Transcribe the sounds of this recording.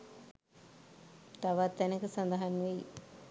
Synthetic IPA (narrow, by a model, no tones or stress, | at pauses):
t̪aʋat̪ːɛnəkəsand̪ɐɦanʋeji